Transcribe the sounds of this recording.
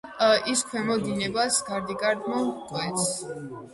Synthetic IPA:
iskʰwɛmɔd̪inɛbasɡaɾd̪iɡʼaɾd̪mɔmqʼwɛt̪s

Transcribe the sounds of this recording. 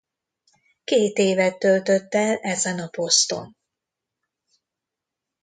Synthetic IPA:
keːt̪eːvɛt̪ːølt̪ø̞t̪ːɛlɛzɛnɒpo̞st̪o̞̰n

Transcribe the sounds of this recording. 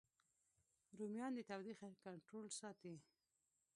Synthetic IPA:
ɾumjɑnd̪ət̪awɾixkaɳʈɾolsɑt̪i

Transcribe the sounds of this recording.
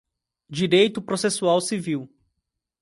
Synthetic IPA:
d͡ʒiɾejt̪ʊpɾosesuawsiviw

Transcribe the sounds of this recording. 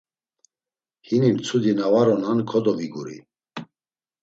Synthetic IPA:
hinimt͡sʰud̪inavaɾɔnankʰɔd̪ɔviɡuɾḭ

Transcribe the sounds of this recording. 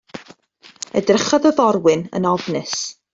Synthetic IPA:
ə̰drəχɔðəðɔrwɨnə̰nɔvnɨs

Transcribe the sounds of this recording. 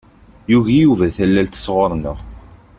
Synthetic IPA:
juʝijuvæθælːælt̪ə̥sʁoɾˤnəʁ

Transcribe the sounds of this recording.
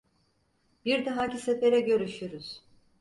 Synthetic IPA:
b̥iɾd̪aɦacisefeɾɛɟø̞ɾyʃyɾuz̥

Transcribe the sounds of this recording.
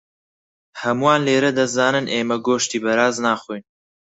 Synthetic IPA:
hɐmuaːnleːɾɐd̪ɐszaːnɨnʔeːmɐɡoːʃt̪iːbɐɾaːznaːχujn

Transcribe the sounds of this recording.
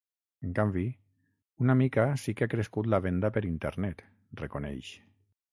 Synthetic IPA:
eŋkambi | unamikasikeakɾeskut̪̬laβ̞end̪apeɾint̪ḛɾnɛt̪ | rekonɛ̰jʃ

